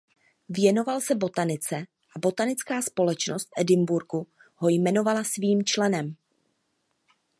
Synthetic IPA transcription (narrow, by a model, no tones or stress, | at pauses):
vjɛno̞valsɛbo̞t̪anɪt͡sɛ | ʔabo̞t̪anɪt͡skaːspo̞lɛt͡ʃno̞st̪fʔɛdɪmbuɾɡu | ho̞jmɛno̞valasviːmt͡ʃlɛnɛm